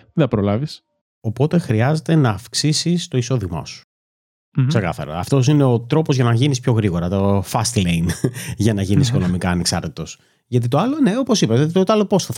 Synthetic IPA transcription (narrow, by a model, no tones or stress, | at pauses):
iðɐpɾolɐvis | o̞po̞t̪e̞xɾiɐze̞t̪e̞nɐːfksisist̪o̞iso̞ðimɐ̰su̥ | seɣɐ̰θɐ̰ɾo̰ɐ̰ft̪o̞s̬ine̞ot̪ɾo̞po̞zʝɐnɐʝinispço̞ɣɾiɣo̞ɾɐt̪ofɐst̪leinʝɐnɐʝinisiko̞no̞mikɐːneksɐɾt̪it̪o̞s | ʝɐt̪it̪o̞ɐlone̞o̞po̞sipɐot̪it̪ot̪ɐlopo̞sθɐ